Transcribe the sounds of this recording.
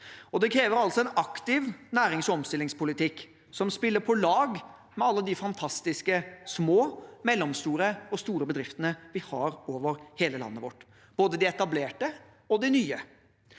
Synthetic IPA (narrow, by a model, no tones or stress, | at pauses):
ɔd̪ɛkʰɾeːʋəɾɑlsɔɛnɑkt̪ɪʋnæːɾɪŋsɔɔmst̪ɪlɪŋspʊlɪt̪ɪkː | sɔmspɪlːəɾpʰɔlɑːɡ | mɛɑlːəd̪ɪfɑnt̪ʰɑst̪ɪskəsmoːmɛlːɔmst̪uːɾəɔst̪uːɾəbəd̪ɾɪft̪ənəʋɪhɑɾoːʋəɾheːləlɑ̰nːəʋɔ̰ʈː | b̥oːd̪əd̪ɪɛt̪ɑbleːʈə | ɔd̪ɪnyːə